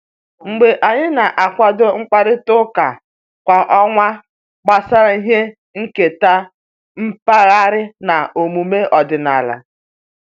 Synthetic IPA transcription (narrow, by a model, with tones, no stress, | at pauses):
ŋ͡m̩˨ɡ͡be˨ʔa˨ɲɪ˦na˨ʔa˨kʷa˨do˦ŋ͡m̩˦k͡pa˨ɾɪ˦tʊ˦ka˨ | kʷa˨ʔɔ˦ŋʷa˦ | ɡ͡ba˦sa˦ɾa˦i˦ɦe˦ | ŋ̩˦ke˨ta˦ | m̩˦pa˦ɣa˦ɾɪ˦na˨o˨mu˨me˦ʔɔ˨dɪ˨na̰˨la̰˨